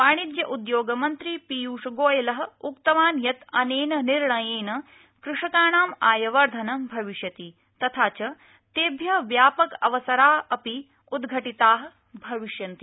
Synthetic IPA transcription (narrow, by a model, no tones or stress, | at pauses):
paːɳ̃id̪jɐʔud̪joːɡɐmɐnt̪ɾipijuːʂɐɡoːjɐlɐɦɐ̆ukt̪ɐʋaːnjɐt̪ɐneːnɐniɾɳɐjeːnɐ | kɾuʂɐkaːɳaːmaːjɐʋɐɾd̪ʱɐnɐbʱɐʋiʂjɐt̪iː | t̪ɐt̪ʰaːt͡ʃɐ | t̪eːbʱjɐʋjaːpɐkɐʋɐsɐɾaːɦɐpi | ud̪ɡʱɐʈit̪aːɦɐ̆ | bʱɐʋiʂjɐnt̪i